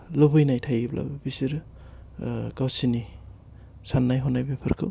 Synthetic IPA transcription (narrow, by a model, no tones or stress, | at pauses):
lobɯjnajtʰajblʔa̰bbisiɾ | ɡawsini | sanːajɦɔnajbepʰɯɾkʰɯ̰w